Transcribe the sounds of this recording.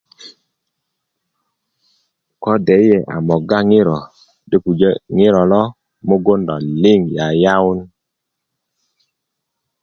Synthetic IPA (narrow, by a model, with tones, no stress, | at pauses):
kɔ˦dɛ˨˦je˨ʔa̰˨mɔ˨ɡa˦ŋɪ˦ɾɔ˨ | de˦ku˨d͡ʒe˦ŋɪ˦ɾɔ˨lɔ˦ | mo˦ɡo˦ndɔ˨lɪ˦˨ŋja˨ja˦ʊ˦n